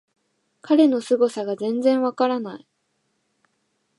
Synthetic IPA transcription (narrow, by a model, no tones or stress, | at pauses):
kʰaɾe̞no̞sɨɡo̞saɡazẽ̞nzẽ̞ɰ̃βakaɾanai